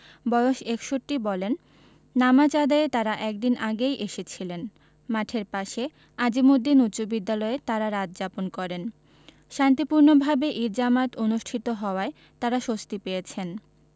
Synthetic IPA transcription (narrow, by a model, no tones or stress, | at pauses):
bɔjoʃekʃoʈːibɔlenː | amat͡ɕad̪aet̪aɾaʔɛk̚d̪inʔaɡejʔeʃet͡ɕʰilen | maʈʰeɾpaʃe | ad͡ʑimod̪ʱːinut̪ːʃobid̪ːalɔet̪aɾaɾad͡ʑd͡ʑaponkɔɾen | ʃant̪̬ipuɾnobʱabeʔiɾd͡ʑamat̪onuʃʈʰit̪oɦɔoae | t̪aɾaʃost̪ipejet͡ɕʰen